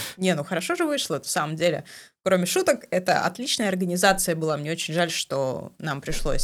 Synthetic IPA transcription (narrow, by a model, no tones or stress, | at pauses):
nʲenuxəɾɐʂo̞ʐɨvɨʂlˠəɛt̪fsaməmdʲelʲɪ̰kɾo̞mʲɪʂut̪əkɛt̪ə̰ɐ̰t̪lʲit͡ɕnəjəɐrɡənʲɪzat̪sɨjəbɨlˠamnʲeo̞t͡ɕɪnʲʐalʲʂt̪o̞̰nampɾʲɪʂlˠo̞̰sʲ